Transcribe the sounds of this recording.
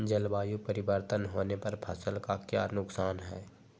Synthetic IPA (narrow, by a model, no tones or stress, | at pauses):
d͡ʒəlbaːjupəɾɪwəɾt̪ənɦoːnepɐɾpʰɐsəlkakjaːnʊksaːnɦɛ̰ː